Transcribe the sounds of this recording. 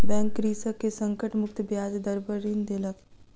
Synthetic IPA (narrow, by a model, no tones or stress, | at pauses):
bɛ̃ːŋkːɾiːsəkesɐ̃ŋkəʈmʊk̚t̪bjaːd͡ʒd̪ɐɾbəɾiːnd̪elək